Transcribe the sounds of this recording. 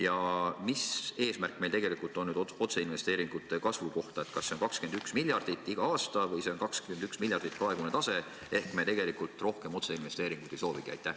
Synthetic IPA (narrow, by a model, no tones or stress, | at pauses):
jɑmise̞ːsmærkːˑme̞jlt̪eɡe̞likːˑult̪ːˑo̞nːyːd̪oot̪se̞inve̞st̪e̞ːɾiŋɡ̥ut̪ːˑe̞kɑsvuko̞ht̪ɑet̪kɑsːenkɑkskend̪yksmilʲjɑrd̪̥it̪ːˑiɡ̥ɑɑːst̪ɑvɤjse̞o̞nkɑkskymend̪yksmiljɑrd̪̥it̪̚prɑe̞ɡunet̪ɑse̞ | e̞hkmet̪e̞ɡ̥e̞likˑult̪ˑro̞hke̞mo̞t̪se̞inve̞st̪eːɾiŋɡ̥ud̪̥e̞jso̞ːvikiɑ̰jt̪ːˑæh